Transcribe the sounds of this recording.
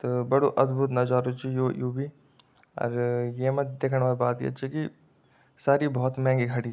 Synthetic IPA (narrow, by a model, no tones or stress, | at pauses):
t̪obɐɽoʔɐd̪bʱut̪̬nɐd͡ʒaːɾut͡ʃijoːjoːbi | ɔ̰ːɾjeːmɐd̪eːkʰəɽʋaːlbaːt̪ḭɐ̰tːʃʰiki | saːɾibɔɦːt̪mɛ̃ːŋɡiɡʰʱɐɽi